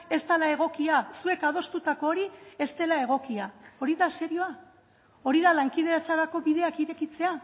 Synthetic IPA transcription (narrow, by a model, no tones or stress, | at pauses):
e̞st̪alae̞ɣ̞o̞kiasue̞kað̞o̞st̪ut̪ako̞ːɾie̞st̪e̞lae̞ɣ̞o̞kiao̞ɾiðase̞ɾio̞a | o̞ɾiðalaŋkið̞e̞ɾat͡saɾako̞βiðe̞akiɾe̞kit͡se̞a